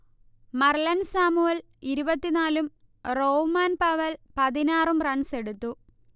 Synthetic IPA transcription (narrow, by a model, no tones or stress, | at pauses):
mɐrlɐnsaːmuɐl | iɾubɐt̪ːinaːlum | roːmaːnpɐʋɐlpɐðinaːrumrɐɳse̞ɽut̪ːu